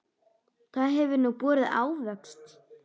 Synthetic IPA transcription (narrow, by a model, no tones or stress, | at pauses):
kaðɦɛvʏɾnupɔːɾɪða̰ːwvɛkst̪